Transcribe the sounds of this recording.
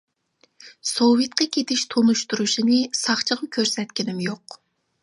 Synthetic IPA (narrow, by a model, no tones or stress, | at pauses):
sowit̪̚qʰɑkʲʰet̪ʰɪʃt̪ʰonuʃt̪uɾuʃinɨsɑχt͡ʃʰəʁɑkʲʰøɾsɛt̪kʲɪnɪmjoq